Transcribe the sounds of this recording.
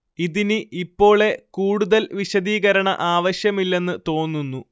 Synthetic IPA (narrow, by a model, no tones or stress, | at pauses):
iðinɨʔipːo̞ːɭe̞kuːɽuðɐlʋiɕɐðiːɣɐɾɐɳɐ̰ʔaːʋɐɕjɐmilːe̞nːɨt̪o̞ːnːunːu